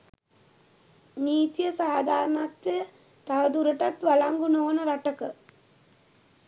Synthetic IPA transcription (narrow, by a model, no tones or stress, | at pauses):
niːt̪ijəsaːd̪ʱaːɾənat̪ʋejə | t̪aʋəd̪uɾəʈat̪ʋalaŋɡunoːnəɾaʈəkə